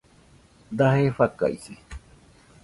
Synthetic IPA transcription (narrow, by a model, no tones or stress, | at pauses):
d̪aɦefaka̰ise